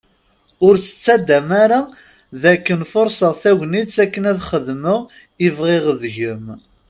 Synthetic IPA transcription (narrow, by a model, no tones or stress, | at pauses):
ʊɾt͡sːə̥t͡sːæd̪ːæmaɾa | ðækːənfʊɾsɑθæʝnit͡sːækːənæðχəðməʁ | ivʁeʁəðʝəm